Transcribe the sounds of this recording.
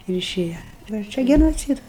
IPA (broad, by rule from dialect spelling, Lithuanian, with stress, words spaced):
ɪr ɪˈʃʲeːjɛ ˈʋɐ ˈt͡ʃʲɛ ɡʲɛnoːˈt͡sʲiːdɐs